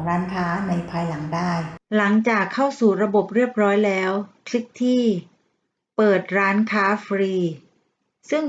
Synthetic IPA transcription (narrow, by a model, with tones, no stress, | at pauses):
ɾaː˦˥nkʰaː˦˥na˧jpʰaː˧jla˩˦ŋdaː˥˩jla˩˦ŋt͡ɕaː˨˩kʰːa˥˩wsuː˨˩ɾa˧bo˨˩p̚ɾi˥˩əp̚ɾɔː˦˥jlɛː˦˥wkʰlɯ˦˥k̚t̪ʰiː˥˩ | pɤː˨˩t̪̚ɾaː˦˥nkʰaː˦˥fʰɾiː˧ | sɯ˥˩ŋ